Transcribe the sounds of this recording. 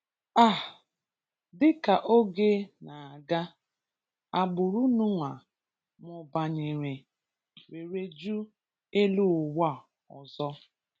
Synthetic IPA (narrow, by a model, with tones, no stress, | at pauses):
a˦˨ | dɪ˦ka˨ʔo˦ɡe˦na˨a˨ɡa˦ | a˨ɡ͡bʊ˨ɾu˦nu˦ŋʷa˨ | mʊ˨ba˨ɲɪ˨ɾɪ˨ | we˨ɾe˦d͡ʒu˦ | e˦lu˦˨wa˦˨ | ɔ̰˨zɔ˦